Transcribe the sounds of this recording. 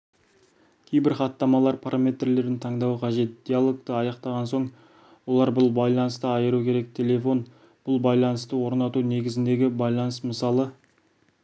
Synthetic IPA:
kʲʰejbɪɾχɑt̪ːɑmɑlˠɑɾpʰaɾʔamʲe̞t̪rle̞ɾd̪ɪnt̪ʰɑɴd̪ɑwqʰɑʒe̞t̪̚d̪̥ʲialˠo̞ɡt̪əɑjɑqt̪ɑʁɑnso̞ɴ | wo̞lˠɑɾbʊlˠbɑjlˠɑnəst̪əɑjəɾukʲʰe̞ɾe̞k̚t̪ʲʰe̞lʲe̞fo̞n | b̥ʊlˠbɑjlˠɑnəst̪əwo̞ɾnɑt̪une̞ɡʲɪzɪnd̪e̞ɡʲɪbɑjlˠɑnəsməsɑlˠə

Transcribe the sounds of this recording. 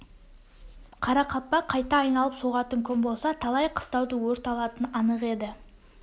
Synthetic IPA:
qʰɑɾɑqʰɑpːɑqʰɑjt̪ɑːjnɑlˠəpsoʁɑt̪əŋkʲʰɵmbo̞lˠsɑt̪ʰɑlˠɑjqʰə̥st̪ɑwd̪əwɵɾt̪ɑlˠɑt̪ənɑnəqe̞d̪ɪ

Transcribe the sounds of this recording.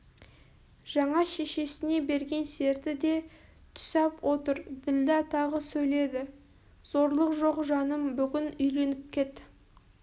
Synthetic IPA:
ʒ̥ɑɴɑʃe̞ʃe̞sɪne̞be̞ɾɡʲe̞nse̞ɾt̪ɪd̪e̞ | t̪ʰʏ̥sɑpwʔot̪əɾd̪ɪld̪ɑt̪ʰɑʁəsɵjle̞d̪ɪ | z̥o̞ɾlˠəqʒo̞qʒɑnəmbʏɡʲɪnʏjle̞nɪp̚kʲʰe̞t̪

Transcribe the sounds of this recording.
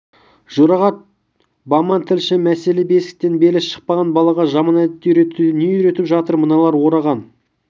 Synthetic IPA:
ʒuɾɑʁɑt̪̚ | bɑmɑnt̪ʰɪlʃɪmæse̞lebe̞sɪ̥k̚t̪e̞nbe̞lɪsʃə̥q̚pɑʁɑnbɑlˠɑʁɑʒɑmɑnæd̪ɪnejʏɾe̞t̪ɪpʒɑt̪əɾmənɑlˠɑɾwo̞ɾɑʁɑn

